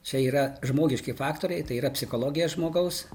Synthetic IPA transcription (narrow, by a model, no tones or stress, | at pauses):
t͡ʃʲɛiːɾɐʒmoːɡʲɪʃʲkʲɪfɑːkt̪oːɾʲɛɪt̪ɐɪiːɾɐpʲsʲɪxoːlˠoːɡʲɪjoːsʒmoːɡɐʊs